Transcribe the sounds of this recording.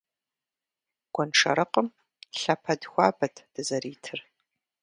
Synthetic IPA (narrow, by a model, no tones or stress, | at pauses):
ɡ̥ʷɔnʈ͡ʂʰɐ̰ɾɨqəm | ɬɐpʰɐdxʷɑːbɐtʰd̥ɨzɐɾiːtʰɨr